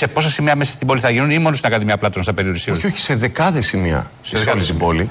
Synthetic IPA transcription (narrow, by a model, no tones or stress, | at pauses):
se̞po̞sɐsimiɐmesɐst̪ibo̞liθɐʝinunimo̞nosinɐkɐðimɲɐplɐt̪onst̪ɐpe̞ɾioɾist̪ioçioçi̥seðekɐðesimiɐ̰ | sɐnst̪iboli